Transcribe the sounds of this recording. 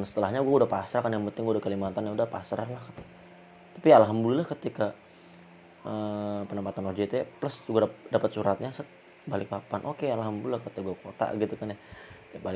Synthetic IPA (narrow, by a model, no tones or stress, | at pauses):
nsə̥t̪əlahɲaɡuaudahpasɾakanjaŋpənt̪ɪŋɡuaudahkəlimat̪anjaudahpasɾalahkan | t̪ḁpialɦamdulilahkət̪ika | əpənəmpat̪anod͡ʒiit̪ujapləsd͡ʒuɡadapət̪̚suɾat̪̚ɲasət̪̚ | balɪk̚papanʔokealɦambdulilahkət̪iaɡuakot̪a̰ɡit̪ukanja | abalɪ